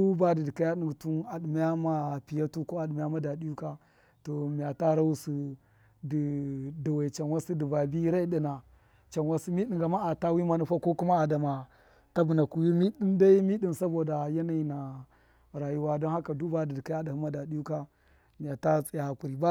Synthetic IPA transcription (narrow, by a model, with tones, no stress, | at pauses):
u˦ba˦di˨di˨ka˦ja˦ɗi˨tu˦na˨ɗi˨m˦ja˦ma˦pi˨ja˦tu˦ko˦a˨ɗi˨m˨˦a˦ma˦da˨di˦ju˦ka˦ | to˨mi˨ja˨ta˦ɾa˦wu˦si˦ | di˨da˨we˨t͡ʃa˨nwa˦si˦di˨ba˨bi˦ɾa˦i˦ɗi˨na˨ | t͡ʃa˨nwa˦si˦mi˦ɗi˨ɡa˨ma˦a˨ta˦wi˦ma˦nu˦ɸa˦ko˦ku˦ma˦a˨da˨ma˨ | ta˦bu˨na˨ku˨wi˦mi˦ɗi˦nda˦i˦mi˦di˦nsa˦bo˨da˨ja˦na˦i˨na˨ | ɾa˨ju˦wa˦do˦nha˦ka˨du˦ba˦di˨di˨ka˦ja˦da˨hi˦ma˦da˨di˦ju˦ka˦ | mi˨ja˨ta˦t͡sʼi˦ja˨ku˨ɾi˨ba˦